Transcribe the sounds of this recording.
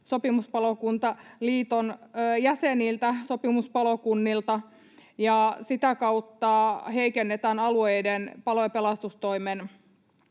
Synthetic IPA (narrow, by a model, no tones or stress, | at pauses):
so̞pimuspɑlokunt̪ɑliːt̪onːjæsenilt̪æsopimuspɑlokunːilt̪ɑ | jɑsit̪ækɑut̪ːɑɦeikenːet̪æːnɑluejdenpɑlojɑpelɑst̪ust̪oimen